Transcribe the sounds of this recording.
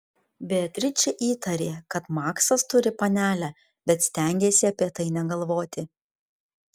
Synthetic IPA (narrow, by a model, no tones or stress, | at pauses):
bʲet̪ʲɾʲɪt͡ʃʲɛʔiːt̪ɐɾʲeːkɐt̪mɑːksɐst̪ʊɾʲɪpɐnʲæːlʲæː | bʲɛt̪sʲt̪ʲɛˑŋʲɡʲeːsʲɪɐpʲiɛt̪ɐɪnʲɛɡɐlˠʋoːt̪ʲɪ